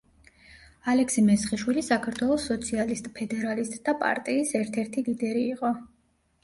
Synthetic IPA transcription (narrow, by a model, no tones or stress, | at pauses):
alɛkʰsimɛsχiʃwilisakʰaɾt̪ʰwɛlˠɔsːɔt̪sʰialist̪ʼpʰɛd̪ɛɾalist̪ʼd̪apʼa̰ɾt̪ʼiːsɛɾt̪ʰɛɾt̪ʰilid̪ɛɾiːqʼɔ